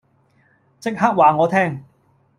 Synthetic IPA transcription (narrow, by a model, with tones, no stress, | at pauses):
t͡sɪ˥k̚haː˥k̚waː˨˩ŋɔː˨˧t̪ʰɛː˥˩ŋ